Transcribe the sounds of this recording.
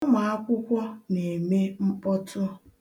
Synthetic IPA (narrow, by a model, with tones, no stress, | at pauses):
ma˨a˦kʷʊ˦kʷɔ˦ne˨me˦m̩˦pɔ˦tʰʊ˦